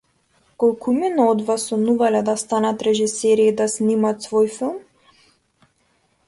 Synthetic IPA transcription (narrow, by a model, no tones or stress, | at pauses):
kɔlˠkʰuminɔd̪vasɔnuvalɛd̪ast̪anat̪ɾɛʒisɛɾiːd̪asnimat̪svojfilˠm